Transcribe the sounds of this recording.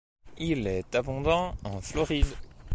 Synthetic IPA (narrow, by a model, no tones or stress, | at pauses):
ilɛt̪abɔ̃d̪ɑ̃ɑ̃flɔʁid̪